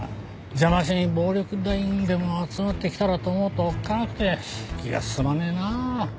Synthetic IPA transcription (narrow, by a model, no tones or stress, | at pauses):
d͡ʑamaɕ̬iɲibo̞ːɾʲo̞kɯ̟d̪aĩnd̪e̞mo̞at͡sɨmat̪ːe̞kʲi̥t̪aɾat̪oːmo̞ːt̪oːkːanakɯ̟̥t̪e̞kʲiɡa̰sɨ̥sɨmanena